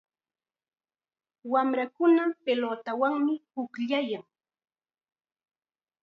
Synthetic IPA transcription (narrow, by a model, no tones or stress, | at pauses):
wamɾakʊnapelot̪awaŋmɪpʊkʎajaŋ